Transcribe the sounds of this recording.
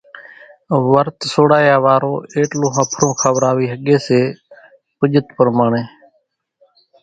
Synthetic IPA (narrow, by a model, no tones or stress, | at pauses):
ʋəɾt̪soːɽaːjaːʋaːɾoːeːʈlõːɦəpʰɾõːkʰəʋɾaːʋiːɦəɠeːseː | pəʄət̪pəɾmaːɳeː